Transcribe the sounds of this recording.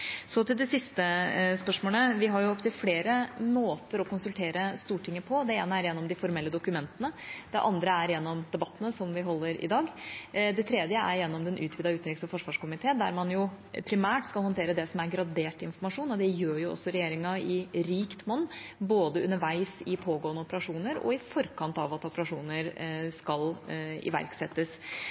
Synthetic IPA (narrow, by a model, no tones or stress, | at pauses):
sɔt̪ɪld̪ɛsɪst̪əspœʂmoːləʋɪɦɑɾjʊɔpt̪ʰɪlfleːɾəmoːt̪əɾɔkʊnsʉlt̪ʰeːɾəst̪uːʈʰɪŋːəpʰɔd̪ɛeːnəæɾjɛnːɔmd̪ɪfɔɾmɛlːəd̪ʊkʉmɛnt̪ənəd̪̥ɛʔɑnd̪ɾəæɾjɛnːɔmd̪ɛbɑt̪ːənəsɔmʋɪɦɔlːəɾɪ̰d̪ɑːɡd̪ɛt̪ʰɾeːd̪jəæ̰ɾjɛnːɔmd̪ɛnʔʉ̰ːt̪ʰʋiːd̪ɑʉːt̪nɾiksɑfɔʂʋɑːʂkʊmɪt̪ʰeːd̪æ̰ɾmɑnjʊ | pʰɾɪmæːʈskɑlhɔnt̪ʰeːɾəd̪ɛsɔmæɾɡɾɑd̪eːʈɪnfɔɾmɑʂuːnɔd̪ɛjøːɾjʊɔ̰sːɔɾɛjeːɾɪŋɑɪɾiːkt̪mɔnːboːd̪əʉnːəɾʋæɪsɪpʰoːɡoːənəɔpəɾɑʂuːnəɾɔ̰ɪfɔɾkʰɑnt̪ɑʋɑt̪ɔpəɾɑʂuːnəɾskɑlɪ̰ʋæ̰ɾksɛt̪ːəs